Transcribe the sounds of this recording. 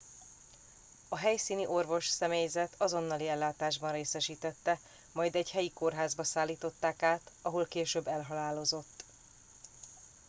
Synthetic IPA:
ɒɦɛjsiːniʔo̞rvo̞ʃsɛmeːjzɛt̪ʰɒzo̞nːɒliɛlːaːt̪aːʒbɒnreːsɛʃiːt̪ɛt̪ːɛ | mɒjd̪ɛɟhɛjiko̞rɦaːzbɒsaːlːiːt̪o̞t̪ːaːkaːt̪ɒɦo̞lkeːʃøːbːɛlɦɒlaːlo̞zo̞t̪ː

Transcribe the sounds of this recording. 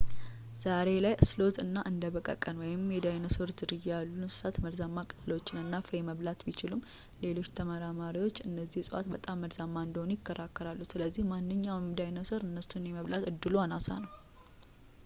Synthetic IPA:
z̥aɾe̞lajslo̞zɨnːaʔɨnd̪əβəkʼə̰kʼːənwɔjɪmjɛd̪ajnəsoɾzɨɾɨjjalːunsɨ̥sat̪məɾzamːakʼɨ̥t̪ʰəlwot͡ʃːɪnɨnːafɾeməβlat̪bit͡ʃɪlum | le̞lo̞t͡ʃːt̪ʰəməɾamaɾiwo̞t͡ʃːɨnːəzːihsʼəʔa̰t̪bət̪ʼamːəɾzamːaɨnd̪əhonujɪkːəɾakːəɾalːusɨləzːihmanːɨɲːawmd̪ajnəsoɾɨnːəsunjɛməβlat̪ɨd̪ːɨluanasa̰nəw

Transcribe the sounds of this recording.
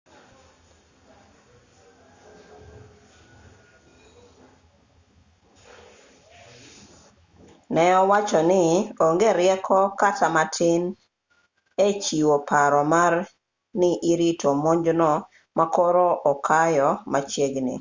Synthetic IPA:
nɛɔwat͡ʃɔnɪoŋɡeɾɪjɛkʰɔkatʰamatʰɪn | et͡ʃiwopʰaɾɔmar | nɪʔɪɾitʰomoɲd͡ʒnɔ | makoɾoʔɔkʰajɔmat͡ʃeɡnḭ

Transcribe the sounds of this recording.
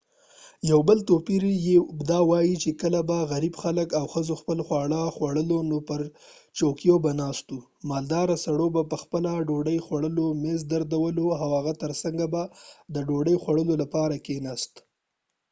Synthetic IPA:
jawbəlt̪opiɾjed̪ɑwɑjit͡ʃekəlabaɣaɾibxaləkawxəzoxpəlxwɑɽaxwaɽəlonopəɾt͡ʃokjobanɑst̪u | mɑld̪ɑɾasaɽobapəxpəlaɖoɖəjxwaɽəlomezd̪aɾd̪awəloawaɣat̪əɾsaŋɡabad̪əɖoɖəjxwaɽəlolapɑɾakenast̪

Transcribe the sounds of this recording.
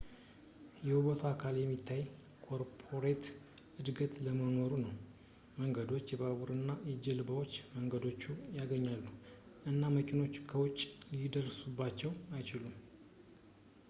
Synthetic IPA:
jɛhuβot̪ʰuakʰaljɛmːit̪ʰːaj | kʰo̞ɾpʰo̞ɾet̪ | ɨd̪ɡət̪ləmənoɾunəw | məŋɡəd̪o̞t͡ʃːjɛβaβuɾɨnːajɛd͡ʒɛlɨbəwo̞t͡ʃːməŋɡəd̪o̞t͡ʃːujaɡəɲːalːuʔɨnːaməkʰʼino̞t͡ʃːkʰəwʊt͡ʃʼlid̪ərsubːat͡ʃːɛwajt͡ʃɪlum

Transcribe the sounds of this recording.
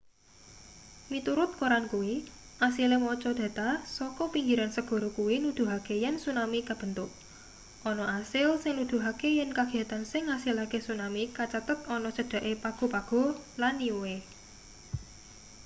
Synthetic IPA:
mit̪uɾʊt̪̚koɾankuwiʔasilemɔt͡ʃɔd̪̥ä̤t̪asɔkɔpiŋɡiɾansəɡ̥ɔ̤ɾokuwinud̪̥ṳɦakejɛnsunamikab̥ə̤nt̪ʊk̚ | ɔnɔʔasɪlsɪŋnud̪̥ṳɦakejɛnkaɡ̥i̤at̪ansɪŋasɪlakesunamikat͡ʃat̪ʊt̪̚ɔnɔt͡ʃəɖ̥a̤ʔepaɡ̥o̤paɡ̥ɔ̤lanːiwe

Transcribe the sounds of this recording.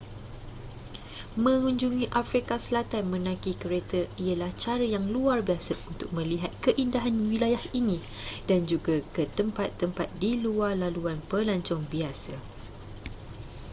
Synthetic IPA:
mə̃ŋuɲd͡ʒuŋĩʔafɾikasəlat̪anmə̃nãkikəɾet̪əiəlaht͡ʃaɾəjaŋluarbiasəunt̪ʊk̚mə̃liɦat̪̚kəʔindaɦanwilajahinĩ | d̥and͡ʒuɡakət̪əmpat̪ːəmpat̪̚diluarlaluanpəlaɲt͡ʃɔŋbiasə

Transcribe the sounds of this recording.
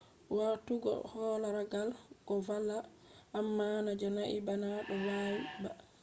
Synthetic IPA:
watːuɡɔ̰hɔlaɾaɡalɡɔvalːa | ʔːmːanad͡ʒɔnaʔibanaɗɔwawiba

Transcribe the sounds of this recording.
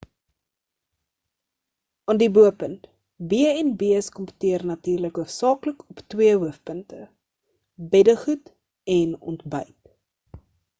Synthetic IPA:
ɑːndibuəpənt | biəɛnbiəskɔmpə̥tiərnɐtiːrləkuəsɑːkləkʰɔptwiəɦuəfpəntə | bɛdəχut | ɛnɔ̰ntbœ̰jt

